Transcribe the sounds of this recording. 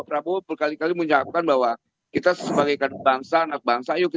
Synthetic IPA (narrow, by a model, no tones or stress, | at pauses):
pəɾabopəlkalikaliməɲap̚kanbaɦwa | kit̪asəbaɡajkad̚baŋsaːnak̚baŋsajuki